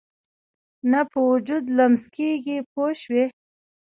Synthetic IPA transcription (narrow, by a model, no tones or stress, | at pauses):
napəwʊd͡ʒud̪lamzkeɡipoʃwi